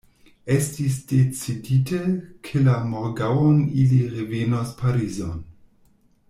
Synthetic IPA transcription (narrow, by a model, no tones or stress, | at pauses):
estis̬d̥et͡siditʰekʰelamoɾɡawoniliʁevenospʰaɾizon